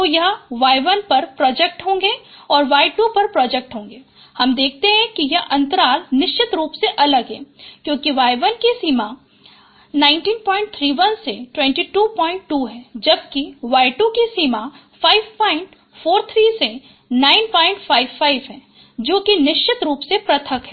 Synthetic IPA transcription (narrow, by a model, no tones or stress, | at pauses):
t̪oːjɐɦʋaːjʋənpɐɾpɾɔːd͡ʒɛk̚ʈɦõːŋɡeɔːɾʋaːɪʈupɐɾpɾɔːd͡ʒek̚ʈɦõːŋɡeː | hɐmd̪eːk̚ʰt̪eɦɛ̃kijɐʔɐ̃nt̪əɾaːlnɪʃt͡ʃɪt̪ɾuːpseʔɐləɡɦɛ̰ːkjõːkiʋaːjʋənkisiːma | nãːɪ̃nʈiːnpɔːɪ̃ɳʈ̚t̪ʰɾiːʋɐnseʈwɛ̃ːɳʈiʈuːpɔ̃ːɪ̃ɳʈːuːɦɛːd͡ʒɐb̚kiʋaːɪʈukisiːma | faːɪʋpɔːɪ̃ɳʈ | foːɾt̪ʰɾiːse | naːɪnpɔ̃ːɪ̃ɳʈfaːɪʋfaːɪʋɦɛ̃ː | d͡ʒoːkinɪʃt͡ʃɪt̪ɾuːpsepɾɐt̪ʰəkɦɛ